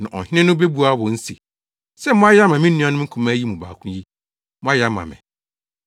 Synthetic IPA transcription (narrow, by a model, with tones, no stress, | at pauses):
nã˨ʔɔ̰˨hɪ˦nɪ̃˦nʊ̃˦be˦bu˨a˦wɔ̃˨n̩˦si˨ | sɛ˦mʊ̃˦a˦jɛ˦a˦mã˨mĩ˦ũ˦a˨nʊ̃˦kʰũ˨mã˦ji˦mũ˨ba̰ː˨kʰʊ̃˦ji˦ | mʊ̃˦a˦ja˦mã̰˨mɪ̰̃˨